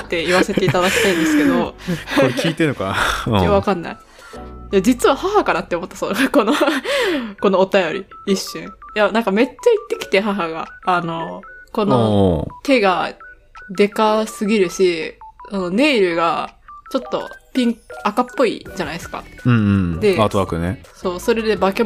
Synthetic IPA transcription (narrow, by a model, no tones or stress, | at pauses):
t̪ːe̞iβase̞t̪e̞it̪ad̪akʲi̥t̪aĩnd̪esɨked̪o̞ | iːt̪enoka̰jaβakãnːa̰i | jad͡ʑit͡sɨβahaɦakaɾat̪ːeomo̞t̪ːasoko̞no | ko̞no̞ːt̪ajo̞ɾʲiiɕːɨ̃ɴ̃janãŋkame̞t͡ɕːait̪ːe̞kʲi̥t̪eɦaɦaɡa̰ːno̞ko̞not̪e̞ɡa | d̪e̞kasɨɡʲiɾɯ̟ɕiso̞no̞ne̞ːɾɯ̟ɡat͡ɕo̞t̪ːo̞̰pʲĩŋkakapːo̞ḭd͡ʑanaisɨ̥ka̰ɯ̟̃ɴ̃ɴd̪e̞aːt̪oβakɯ̟neso̞ːso̞ɾe̞d̪e̞bake